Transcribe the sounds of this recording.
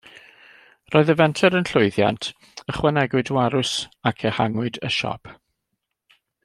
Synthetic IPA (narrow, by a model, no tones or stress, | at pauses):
roːɨðəvɛntʰɛɾənɬʊɨðja̰ntʰ | əχwɛnɛɡwɨdwaɾʊsakʰəhaŋʊɨdə̰ʃɔ̰pʰ